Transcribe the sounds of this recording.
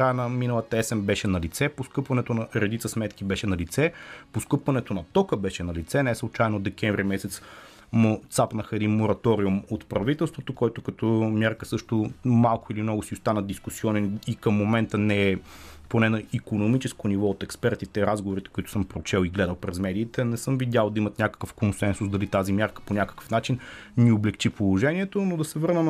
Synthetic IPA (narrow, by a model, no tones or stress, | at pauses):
kɾajənɐminəlˠɐt̪əɛsɛmbɛʃɛnɐlit̪sɛposkɤpvɐnɛt̪onɐɾɛd̪it̪səsmɛt̪kibɛʃɛnɐlit̪sɛposkɤpvɐnɛt̪onɐt̪ɔkəbɛʃɛnɐlit̪sɛnɛslˠʊt͡ʃajɛnod̪ɛkʲɛɱvɾimɛsɛt̪s | mot̪sapnəxəɛd̪inmoɾɐt̪ɔɾiumot̪pɾɐvit̪ɛlˠst̪vot̪okɔjt̪ʊkɐt̪ɔmjaɾkəsɤʃt̪omalˠkʊilimnɔɡʊsiʊst̪anəd̪iskusiɔnɛnikəmːomɛnt̪ənɛɛponɛnɐikonomit͡ʃɛskonivɔot̪ɛkspɛɾt̪it̪ɛɾazɡovoɾit̪ɛ̥kʊit̪ʊ̥sɤmpɾot͡ʃɛlˠiɡlɛd̪əlˠpɾɛzmɛd̪iːt̪ɛnɛsɤmvid̪ʲalˠd̪ɐimɐt̪nʲakə̥kəfkonsɛnsʊsd̪ɐlit̪azimʲjaɾkə̥ponʲakə̥kə̥fnat͡ʃinnioblɛkt͡ʃipolˠoʒɛniɛt̪onod̪ɐsɛvɤɾnə